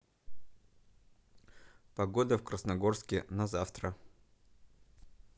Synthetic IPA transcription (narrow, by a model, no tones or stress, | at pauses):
pɐɡo̞d̪əfkɾəsnɐɡo̞rskʲɪnɐzaft̪ɾə